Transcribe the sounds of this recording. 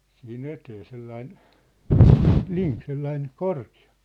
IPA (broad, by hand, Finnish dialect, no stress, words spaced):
sih̆in eteː selːɑin liŋk selːɑin korkiɑ